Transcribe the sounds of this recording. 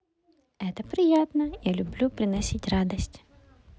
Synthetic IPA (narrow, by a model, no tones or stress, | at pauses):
ɛt̪əpɾʲɪjat̪nəjalʲʊblʲupɾʲɪnɐsʲitʲrad̪əsʲtʲ